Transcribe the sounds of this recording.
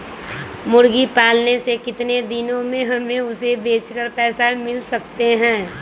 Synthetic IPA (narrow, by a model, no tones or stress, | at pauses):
mʊɾɡipaːlnesekɪt̪ned̪ɪnõmẽɦɐmẽʊsebeːt͡ʃkəɾpɛːsamɪlsɐk̚t̪eɦɛ̃ː